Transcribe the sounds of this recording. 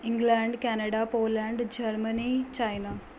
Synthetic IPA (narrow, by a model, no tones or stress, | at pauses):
ĩŋɡlaɳɖkɛnaɽapoːlaɳɖd͡ʑəɾmənit͡ɕajna